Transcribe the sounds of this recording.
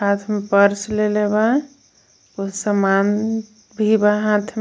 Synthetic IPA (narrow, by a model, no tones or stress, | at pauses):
ɦat̪ʰmepəɾsleleba | osəman | bʱibaɦãt̪ʰm